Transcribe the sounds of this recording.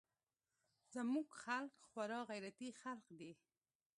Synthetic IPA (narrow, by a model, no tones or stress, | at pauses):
zəmuɡxalkxwaɾɑɣajɾat̪ixalqd̪e